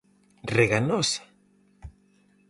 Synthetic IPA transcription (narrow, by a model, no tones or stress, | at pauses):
reɣanosḁ